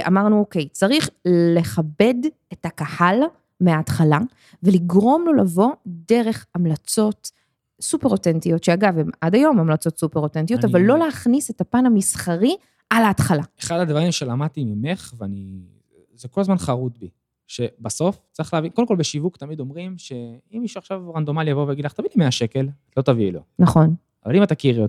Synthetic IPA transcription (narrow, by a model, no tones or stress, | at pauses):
a̰maʁnuoke̞jt͡saʁiχle̞χabe̞d | ethakahal | meaːtχala | veliɡʁo̞mlo̞lavo̞de̞ʁe̞χamlat͡so̞t | supʁotentijo̞tʃeaɡavemadajo̞mamlat͡so̞t̪supeʁotentijot̪avalːo̞leaχnise̞tapanhamisχaʁi | ʔalaːtχalaeχad̪advaʁimʃelamad̚t̪imimeχveani | zeko̞lazmanχaʁut̪bi | ʃe̞baso̞ft͡saʁiχlaːvinkodemkolbeʃivukt̪amid̪o̞mʁimʃe̞imːiʃuaχʃavʁand̪o̞maljavovejaɡid̪laχt̪avilimeaʃekel | lo̞t̪avilonɐχo̞n | avalimat̪akiʁjo